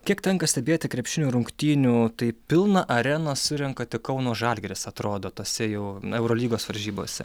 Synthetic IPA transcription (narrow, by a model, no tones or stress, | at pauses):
kʲiɛkt̪ʲɛŋkɐsʲt̪ʲɛbʲeːt̪ʲɪkɾʲɛpʲʃʲɪnʲuːɾʊŋkt̪ʲiːnʲuːt̪ɐɪpʲɪlˠnɐʔɐɾʲɛnɐsʊɾʲɛŋkɐt̪ʲɪkɐʊnoːʒɑːlʲɡʲɛɾʲɪsɐt̪ɾoːd̪oːt̪oːsʲɛjɛʊɛʊɾoːlʲiːɡoːsʋɐɾʲʒʲiːbo̰ːsʲɛ̰